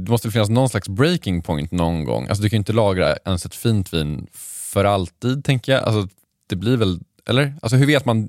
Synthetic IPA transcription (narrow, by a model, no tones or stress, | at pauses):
d̪ɛmɔst̪vɛɪnːas̬nɔnslaksbɾejkɪŋpʰɔjnt̪nɔnɡɔ̰ŋːʔa̰lsɔd̪ɵkʰanjʏɪnt̪əlɑːɡɾa̰ɛnsɛt̪fiːnt̪ʰviːnfœɾalt̪iːd̪̚t̪ʰɛŋkəjaa̰ls̬ɔt | d̪̥ɛbliɾvɛl | ʔɛ̰lːəɾʔa̰ls̬ɔɦɵɾveːt̪man